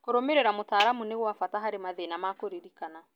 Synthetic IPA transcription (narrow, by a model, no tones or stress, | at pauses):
koɾomeɾɛɾamotaːɾamuneɣwafataɦaɾemaðenamakoɾeɾikana